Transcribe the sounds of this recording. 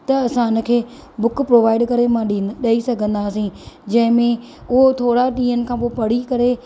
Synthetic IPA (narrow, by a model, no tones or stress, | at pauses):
t̪ɐɐsãːɪnə̆kʰeː | bʊkpɾoːʋaːɪɖkɐɾemãɗɗɐisɐɡʱə̃nd̪aːsĩd͡ʑɐ̃ɦɪ̃mẽ | ʊɦot̪ʰoːɽaɗĩːɦənɪ̆kʰãːpopɐɽ̤ikɐɾe